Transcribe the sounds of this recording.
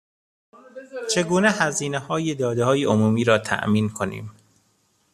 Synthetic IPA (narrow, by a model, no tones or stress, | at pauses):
t͡ʃʰe̞ɡuːnehæziːnehɒːjed̪ɒːd̪ehɒːjeʔomuːmiːɾɒːt̪ʰæ̰ʔmiːnkʰonḭːm